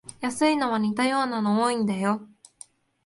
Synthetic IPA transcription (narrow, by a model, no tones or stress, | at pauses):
jasɨino̞βaɲʲit̪ajo̞ːnanooĩnd̪ajo